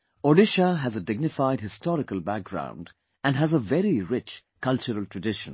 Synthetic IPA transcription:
ɔɖɪʃəɦəzədɪɡ̚nɨfaɪd̚hɪstɔɾɪkəlbæk̚ɡ̥ɹã̰ʊ̃nd | ɨ̃nɦæzəvɛɾiɹɪt͡ʃ | kʰʌlˠt͡ʃəɾəlˠtʰɹ̥ədɪʃə̰̃n

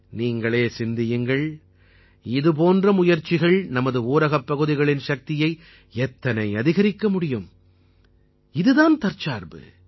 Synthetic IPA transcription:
niːŋɡɐɭeːsɪnd̪ɪjɯŋɡɐɭ | ɪðɯp̬oːndrɐmʊjɐɾt͡ʃːɪɣɐɭnɐmɐðɯuːɾɐɣɐpːɐɣɯðɪɣɐɭɪnʃɐk̚t̪ɪjɐɪ | ɛt̪ːɐnɐɪɐðɪɣɐɾɪkːɐmʊɽɪjɯm | ɪðɯðaːnt̪ɐɾt͡ʃaːɾbɯ̰

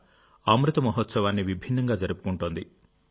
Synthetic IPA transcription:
amɾit̪ɔmɔɦɔt̪sɔbanːibibʱinːɐŋɡad͡ʒɔɾipukuɳʈɔnt̪i

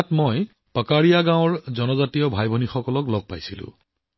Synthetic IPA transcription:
tmɔj | pakaɹijaɡãw̃ɹzɔnɔzatijɔbʱajbʱɔnixɔkɔlɔklɔɡ̚pajsilʊ̰̃

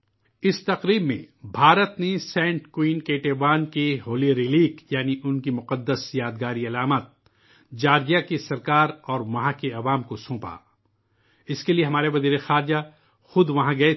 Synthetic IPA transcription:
ɪst̪ɐqɾiːbmḛ̃bʱaːɾət̪nesɛ̃ːɳʈkwiːnkeːʈeːʋaːnkeɦoːliɾɪliːkjaːniʔʊnkimʊqəd̪ːəsjaːd̪ɡaːɾiɐlaːmat̪̚ | d͡ʒaːɾd͡ʒijakesɐɾkaːɾɔːɾʋɐɦãkeɐʋaːmkosõːpa̰ː | ɪskelieɦɐmaːɾeʋɐziːɾexaːɾd͡ʒa | xʊd̪ʋɐɦãɡɐe

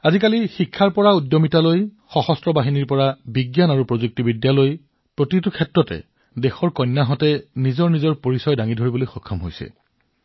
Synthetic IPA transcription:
azikalixikʰːaɹpɔɹaudːomitaloj | xɔxɔstɹɔbaɦiniɹpɔɹabiɡjanaɹupɹozuk̚tibidjaloj | pɹotitukʰɛtɹɔtɛ̰ | dexɔɹkɔjnːaɦɔtɛnizɔɹnizɔɹpoɹisɔjdaŋidʱoɹibolojxɔkʰːɔmɦo̰jsɛ̰

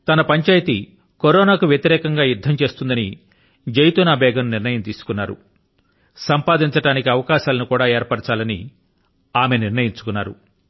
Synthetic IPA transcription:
t̪ɐnɐpɐɲt͡ʃaːjt̪i | koɾoːnaːkuʋjɐt̪iɾɛːkɐŋɡaːjuɾd̪ʱɐmt͡ʃe̞ːst̪und̪ɐni | d͡ʒɐjt̪uːnaːbɛːɡɐnniɾnɐjɐmt̪iːsu̥kunːaːɾṵ | sɐmpaːd̪iɲt͡ʃɐʈaːnikiɐʋɐkaːʃaːlɐnukuːɽaːeːɾpɐʈɐt͡ʃaːlɐnḭ | aːme̞niɾnɐjiɲt͡ʃu̥kunːaːɾu

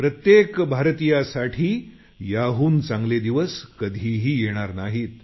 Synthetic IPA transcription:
pɾət̪jekbʱaɾt̪ijasaʈʰiː | jaɦuːnt͡sãŋɡled̪iʋəskəd̪ʱiɦiːjeɽ̃aɾnaɦiːt̪

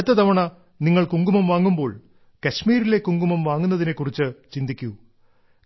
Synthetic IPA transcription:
t̪ːɐt̪ɐʋɐɳɐ | niŋːɐɭkuŋɡumɐmʋaːŋːumbo̞ːɭ | kɐɕmiːɾile̞kuŋɡumɐmʋaːŋːunːɐðinekːurit͡ɕːɨt͡ɕind̪ikʲːu

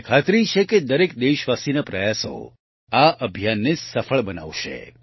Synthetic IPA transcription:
kʰat̪ɾit͡ʃʰeked̪əɾekd̪eʃʋasinapɾəjaso̰ | aʔəbʱjanːesəfəɭbəna̰ʋʃḛ

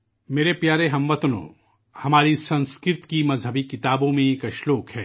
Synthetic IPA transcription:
meːɾepjaːɾeɦɐ̃mʋɐt̪nõ̰ | hɐmaːɾisɐ̃nskɾɪɾt̪kimɐzɦəbikɪt̪aːbõmẽkɐʃloːkhɛː

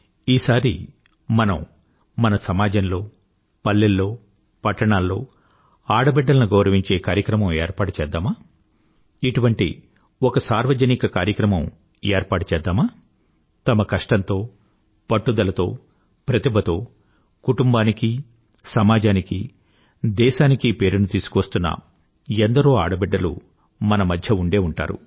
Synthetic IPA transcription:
iːsaːɾḭ | mɐnɐm | mɐnɐsɐmaːd͡ʒɐnlo̞ː | pɐlːɛlːo̞ː | pɐʈːɐɳaːlːo̞ː | aːɽɐbɛɖːɐlɐnuɡɔːɾɐʋiɲt͡ʃe̞ːkaːɾjɐkɾɐmɐ̃meːɾpaːʈut͡ʃɛːd̪ːaːmaː | iʈuʋɐɳʈḭ | ɔkɐsaːɾʋɐd͡ʒɐnikɐkaːɾjɐkɾɐmɐ̃m | eːɾpaːʈu̥t͡ʃɛːd̪ːaːmaː | t̪ɐmɐkɐʂʈɐnt̪o̞ː | pɐʈːud̪ɐlɐt̪o̞ː | pɾɐt̪ibʱɐt̪o̞ː | kuʈumbaːniki | sɐmaːd͡ʒaːniki | d̪ɛːʃaːnikipe̞ːɾunut̪iːsu̥kʋɐst̪unːɐ̰ | end̪ɐɾoːa̰ːɽɐbɛɖːɐlṵ | mɐnɐmɐd̪ʱjɐuɳɖe̞ːuɳʈa̰ːɾṵ

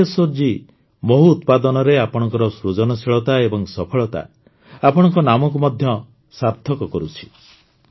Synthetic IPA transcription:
esoɾd͡ʒi | moɦuːt̪pad̪ɔnɔɾeapɔɽ̃ɔŋkɔɾɔsɾud͡ʒɔnɔsiɭɔt̪aebɔŋsɔpʰɔɭɔt̪a̰ | apɔɽɔŋkɔnamɔk̬umɔd̪ʱjɔ | saɾt̪ʰːɔkɔkɔɾut͡ʃʰi̥

